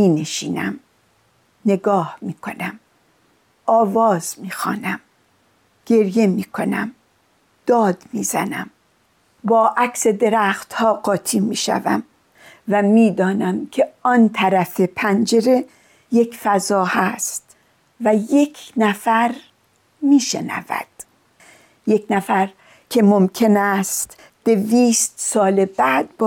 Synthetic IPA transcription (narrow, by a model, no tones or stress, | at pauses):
miːneʃiːnæ̰m | ne̞ɡɒːhmiːkʰo̞næm | ʔɒːvɒːz̥miːxɒ̰ːnæm | ɡ̥e̞ɾje̞miːkʰo̞næ̰m | d̪̥ɒːd̪̥miːzænæ̰m | bɒːʔækse̞d̪e̞ɾæːxt̪hɒːɡɒːt̪ʰiːmiːʃæ̰væ̰m | væmiːd̪ɒːnæmkʰe̞ɒnt̪ʰæɾæfe̞pʰænd͡ʒe̞ɾe̞ | je̞kfæzɒːhæst̪ | væje̞kʰnæfæɾ | miːʃe̞næ̰væ̰d̪̥ | je̞kʰnæfæɾ | kʰe̞momkʰe̞næːst̪ | d̪̥e̞viːst̪sɒːlebæd̪̚b